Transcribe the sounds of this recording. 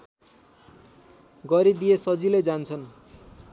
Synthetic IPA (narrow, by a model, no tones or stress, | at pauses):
ɡʌɾid̪ijesʌd͡ziled͡zant͡sʰʌn